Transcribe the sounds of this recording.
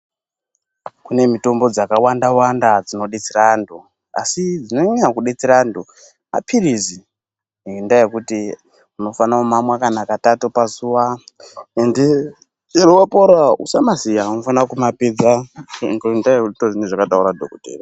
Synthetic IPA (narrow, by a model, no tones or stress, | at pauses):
kune̞mito̞mbo̞d͡zakawandawandad͡zino̞ɗet͡sirandu | a̰sid͡zinoɲeɲakuɗet͡siɾandu | ma̰pʰirizi | indaje̞kuti | uno̞fanaomamwakanakatatopasuwa | ende | erowapoɾaṵsamasijaunofanakumaped͡zaŋɡoindaeutoʐineʐakatauɾadʱo̰kotḛːro